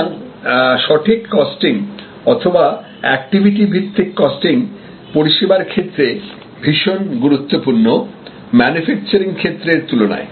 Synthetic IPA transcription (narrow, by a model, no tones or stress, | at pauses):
ŋʃɔʈʰikːɔsʈiŋ | ɔt̪ʰoba | ɛk̚ʈibʱiʈ̬ibʱit̪ːikːɔsʈiŋ | poɾiʃebaɾkʰet̪ːɾe | bʱiʃonɡuɾut̪ːopuɾno | mɛnufɛk̚t͡ɕoɾiŋkʰet̪ːɾeɾt̪ulona̰e